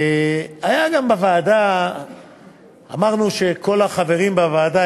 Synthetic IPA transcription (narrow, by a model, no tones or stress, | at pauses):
eajaɡambavaːda | a̰maʁnuʃe̞ko̞laχave̞ʁimbavaːda